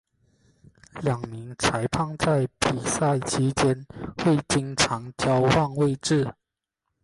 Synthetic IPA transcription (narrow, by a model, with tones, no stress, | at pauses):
ljɑ˨˩ŋmi˨˦ŋt͡sʰa˧˥ɪpʰɑ˥˧ŋt͡sa˥˩ɪpi˨˩sa˥˩ɪt͡ɕʰi˧˥t͡ɕjɛ˥nxwe˥˩ɪt͡ɕi˧˥ŋʈ͡ʂʰɑ˧˥ŋt͡ɕjɑ˥ʊwɑ˥˧ŋwe˥˧ɪʈ͡ʂɻ̩˥˩